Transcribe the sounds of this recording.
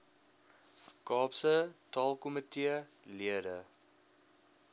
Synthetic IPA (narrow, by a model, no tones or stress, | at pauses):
kɑːpsətɑːlˠkɔmətiəliədə